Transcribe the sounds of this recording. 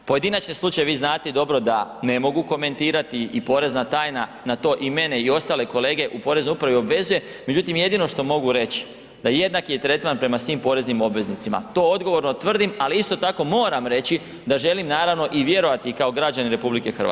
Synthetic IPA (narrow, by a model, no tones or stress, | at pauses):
po̞je̞d̪inat͡ʃneslˠut͡ʃajeʋiːznaːt̪ed̪o̞bɾo̞d̪ane̞mo̞ɡuko̞me̞nt̪iːɾat̪iipo̞ɾe̞znat̪aːjna | nat̪o̞ːʔime̞ne̞io̞st̪aːle̞ko̞le̞ːɡe̞ʔupo̞ɾe̞znojupɾaʋio̞bʋe̞zuje̞ | me̞d͡ʑut̪imje̞d̪ino̞ʃt̪o̞mo̞ɡuɾe̞t͡ɕi̥ | d̪aje̞d̪nakijet̪ɾe̞t̪manpɾe̞masʋimpo̞ɾe̞znimo̞bʋe̞znit̪sima̰t̪o̞ːo̞d̪ɡoʋo̞ɾno̞t̪ʋr̩d̪imaliist̪o̞t̪ako̞mo̞ːɾamɾe̞t͡ɕi | d̪aʒe̞limnaːɾaʋno̞ʔiʋje̞ɾo̞ʋat̪ikao̞ɡɾad͡ʑaniɾe̞publike̞xra̰